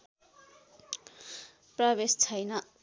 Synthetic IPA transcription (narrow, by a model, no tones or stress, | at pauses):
prʌbest͡sʰʌjnʌ